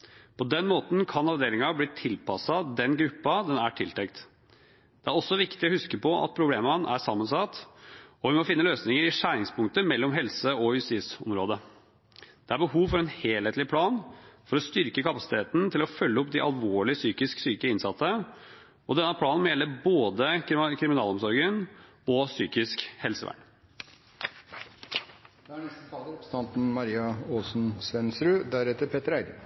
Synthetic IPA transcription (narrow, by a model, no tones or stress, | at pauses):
pʰɔd̪ɛnːmoːt̪n̩kʰɑnɑʋd̪eːɾɪŋɑbliːt̪ʰɪlpɑsɑd̪ɛnɡɾʉpːɑd̪ɛnæʈʰɪlt̪ʰɛkt̪ | d̪̥ɛæɾɔsːɔʋɪkt̪ɪɔhʉskəpɔʔɑ̰t̪̚pʰɾʊbleːmɑnʔæ̰ʂɑmːənsɑt̪ɔʋɪmɔfɪnːəløːsnɪŋəɾɪʂæːɾɪŋspʰʊŋkt̪əmɛlːɔmɦɛlsəɔjʉst̪ɪːsɔ̰mɾoːd̪ə | d̪̥ɛæɾbəhuːʋfɔɾɛnheːlheːt̪lɪpʰlɑːnfɔɾɔst̪ʏɾkəkɑpɑsɪ̥t̪ʰeːt̪n̩t̪ʰɪlɔfœlːəɔpːd̪ɪʔɑ̰lʋoːɭɪsyːkɪsksyːkəɪnsɑt̪ːə | ɔd̪ɛnːəpʰlɑːnnmɔjɛlːəɾboːd̪əkʰɾɪmɪnɑːlɔmsɔɾɡən | ɔsyːkɪskhɛlsəʋæ̰ɳ | d̪̥ɛæɳɛst̪ət̪ɑːləɔpst̪ɑnt̪n̩mɑɾiːɑoːsn̩sʋɛnsɾʉːd̪æɾɛt̪ːəɾpʰeːt̪əɾæɪɡ